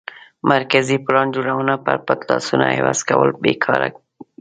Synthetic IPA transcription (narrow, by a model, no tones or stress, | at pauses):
maɾkaziplɑnd͡ʒoɽawənapəɾpat̪lɑsunahewɑzkawəlbekʰɑɾa